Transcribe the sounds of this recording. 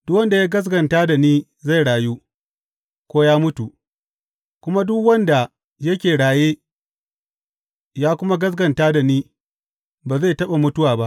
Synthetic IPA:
d̥ʊ˦wɐ˦nda˨jaː˦ɡɐ˦s̬ɡɐ˨ntaː˦da˨niː˦ | za˦˨jɽaː˨juː˦ | kʷoː˦jaː˦mʊ˦tu˨ | kʷʊ˦ma˦dʊ˦kwɐ˦nda˨ | jɐ˦kʲeː˨ɽaː˨jeː˦ | jaː˦kʷʊ˦ma˦ɡɐ˦s̬ɡɐ˨ntaː˦da˨niː˦ | baː˨za˦˨tɐ˦ɓa˨mʊ˦tʊ˦waː˨ba˦ʔ

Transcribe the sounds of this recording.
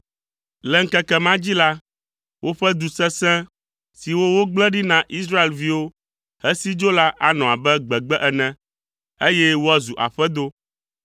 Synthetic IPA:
lɛ˨ŋ̩˦kɛ˦kɛ˦mã˦d͡ʑi˦la˦ | wʔo˦ɸɛ˦d̪u˨sɛ̃˦sɛ̃˦ | si˨wo˦wo˦ɡ͡blɛ̃˦ɖi˦nã˨ʔi˦sɾa˦e˨lvi˦wo˦ | hɛ˦si˦d͡ʒo˦la˦ʔa˨nɔ̃˨a˨bɛ˦ɡ͡bɛ˨ɡ͡bɛ˦ʔɛ˨nɛ̃˨ | e˦jɛ˦wo˦a˦˨zu˨ʔa̰˨ɸɛ˦d̪o˦

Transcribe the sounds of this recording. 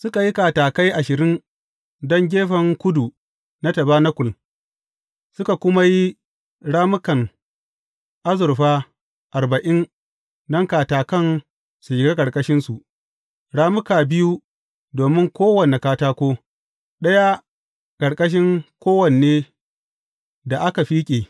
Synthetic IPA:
sʊ˦ka˨ji˦kaː˨taː˨ka˦jʔa˨ʃɪ˨ɾɪ˦n | dɔ˦ŋɡʲeː˦ɸɐ˨ŋkʷʊ˦du˨ | na˦tɐ˨baː˦na˦kʷʊ˨l | sʊ˦ka˨kʷʊ˦ma˦ji˦ | ɽaː˦mʊ˦kɐ˨n | ʔa˦zʊ˨ɾɸaː˦ | ʔa˨ɾba˨ʔɪ˦n | dɔ˦ŋkaː˨taː˨kɐ˦˨n | su˨d͡ʒɪ˨ɡeː˦kʼɐ˨ɽkʼɐ˦ʃɪ˦nsu˨ʔ | ɽaː˦mʊ˦kaː˨bɪ˦ju˦ | doː˨mɪ˦ŋkʷoː˦wɐ˨ne˨kaː˦taː˦kʷoː˦ | ɗɐ˦ja˦ | kʼɐ˨ɽkʼɐ˦ʃ̬ɪ˦ŋkʷoː˦wɐ˨nː˨eː˦ | da˨ʔa˦ka˨ɸiː˦kʲʼeː˨

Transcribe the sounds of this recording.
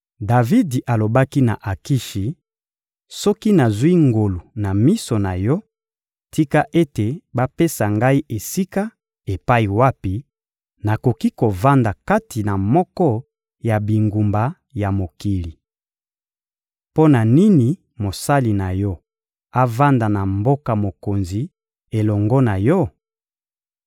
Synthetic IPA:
da˨vi˦dʔa˨lo˨ba˦ki˦na̰˨ʔa˨ki˦ʃi˨ | sɔ˦ki˦na˨zwi˦ŋɡo˨lu˨na˨mi˦so˨na˨jɔ˦ | tʰi˦ka˦ʔe˦te˨ba˦pe˦sa˨ŋɡa˦i˦ʔe˨si˦ka˦ | e˨pa˦i˨wa˦pi˨ | na˨ko˨ki˦ko˨va˦nda˨ka˦ti˨na˨mɔ˦kɔ˦ | ja˨bi˨ŋɡu˨mba˨ | ja˨mo˨ki˨li˨ | po˦na˨ni˦ni˨ | mo˨sa˦li˨na˨jɔ˦ | a˦va˦nda˨na˨mbo˦ka˨mo˨ko˨nzi˨ | e˨lɔ˨ŋɡɔ˦na˨jɔ˦

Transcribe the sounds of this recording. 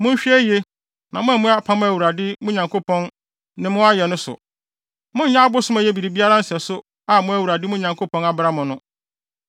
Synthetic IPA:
mʊ̃˦ɲ̩˦ɕᶣi˦æ˦je˦ | nã̰˨mʊ̃˦æ˨mʊ̃˦a˦pʰã˦mʊ̃˦æ˨wu˨ɾa˨dɪ˦mʊ̃˦ɲã˨ŋkʰo˦pʰɔ̃˦n | nɪ̃˨mʊ̃˦a˦jɛ˨nʊ̃˦sʊ̰˨ | mʊ̃˦ɲ̩˦jã˦a˦bʊ˦sʊ̃˦mæ˨jɛ˦bi˨ɾi˨bi˦a˦ɾa˦n̩˦sɪ˨ɛ˨sʊ˦ | a˨mʊ̃˦æ˨wu˨a˨dɪ˦mʊ̃˦ɲã˨ŋkʰo˦pʰɔ̃˦na˨bɾa˦mʊ̃˨nʊ̃˦

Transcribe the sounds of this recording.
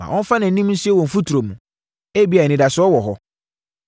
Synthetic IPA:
mã̰˨ʔɔ̃˦n̩˦fa˦nɪ̃˨n̩˦nĩ˦mn̩˦si˦ɛ˦wɔ̃˨m̩˨fu˦tʰu˨ɾo˨mũ˨ | e˦bi˦a˨nɪ̃˨da˨sʊ˦ɔ˦wɔ˨ɦɔ˦

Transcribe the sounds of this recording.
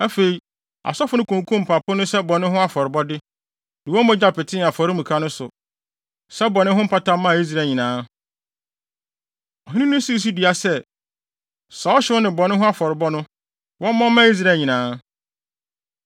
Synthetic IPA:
æ˦fe˨i˨ | a̰˨sɔ˦fʊ˨nʊ̃˦kʰũ˨ŋ˨kʰũ˦m̩˨pʰa˨pʰʊ˦nʊ̃˦sɛ˦bɔ˨nɪ̃˦ɦʊ̃˦a˦fɔ˨ɾɪ˨bɔ˦dɪ˦ | dɪ˨wɔ̃˦mɔ̃˦d͡ʑa˨pɪ˨tʰɪ̃˦˨a˨fɔ˨ɾɪ˦mũ˨kʰa˦nʊ̃˦sʊ̰˨ | sɛ˦bɔ˨nɪ̃˦ɦʊ̃˦m̩˦pʰa˦tã˦mːã˦˨i˦s̬ɾa˨ɲĩ˨nãː˨˦ | ɔ˨ɦĩ˦nĩ˦nʊ̃˦si˦˨s̬i˦di˨a˨sɛ˦ | sa˨˦ɔ˦ɕɪ˦ʊ˦nɪ̃˨bɔ˨nɪ̃˦ɦʊ̃˦a˦fɔ˨ɾɪ˨bɔ˦nʊ̃˦ | wɔ̃˦mːã˦mã˦i˦s̬ɾa˨˦˨ɲĩ˨nãː˨˦

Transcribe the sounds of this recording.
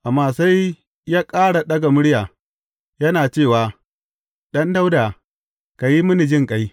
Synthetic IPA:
ʔa˨mːaː˦˨sa˦j | jaː˦kʼaː˦ɽa˨ɗɐ˦ɡa˨mʊ˦ɽjaː˨ | jɐ˦naː˨t͡ʃeː˦˨waː˨ | ɗɐ˦nda˦wdaː˨ | ka˨ji˦mʊ˦ni˨d͡ʒɪ˦˨ŋkʼa˦j

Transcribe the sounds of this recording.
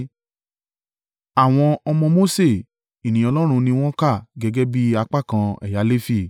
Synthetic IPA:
a˨w̃ɔ̃˧ɔ˧mɔ̃˧mo˦se˦˨ | i˨nĩ˨ɔ˧lɔ˦ɾ̃ũ˧nĩ˧w̃ɔ̃˦ka˦˨ɡɛ˧ɡɛ˦bi˦a˧k͡pa˦˨kã˧ɛ̰˨ja˨˦le˦fi˦˨

